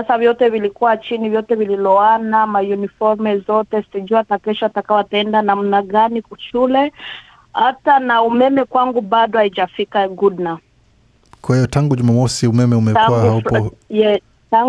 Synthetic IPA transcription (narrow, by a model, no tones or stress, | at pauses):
sasavjɔtɛvilikuwat͡ʃinivjɔtɛvililɔanamajunifɔɾmɛzɔtɛsiʄuatakɛʃɔatakawataɛndanam̩naɠanikuʃulɛ | hatanaumɛmɛkwaŋɡuɓaɗɔhaid͡ʒafikaɡudna | kwahijɔtaŋɡuʄumamɔsiumɛmɛumɛtakuwahaujɛ | taŋ